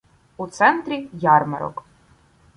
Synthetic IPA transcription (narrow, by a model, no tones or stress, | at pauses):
ut̪sɛnt̪ɾijarmɐɾɔ̰kʼ